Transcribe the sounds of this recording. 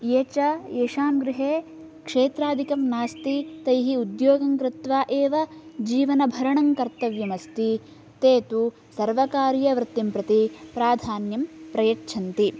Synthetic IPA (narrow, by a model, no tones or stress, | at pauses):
jeːt͡ʃɐeːʂaːmɡɾɪɦeː | kʂeːt̪ɾaːd̪ʱikɐmnaːst̪it̪ɐjɦiud̪joːɡɐŋkɾɪt̪ʋaːʔeːʋɐd͡ʒiːʋɐnɐbʱɐɾɐɳɐŋkɐɾt̪ɐʋjɐmɐst̪i | t̪eːt̪u | sɐɾʋɐkaːɾjɐʋɾɪt̪ːimpɾɐt̪ipɾaːd̪ʱaːnjɐmpɾɐjɐʈt͡ʃʰɐnt̪i